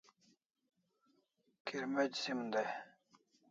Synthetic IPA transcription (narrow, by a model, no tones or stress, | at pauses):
kʰiɾmed͡ʑsimd̪a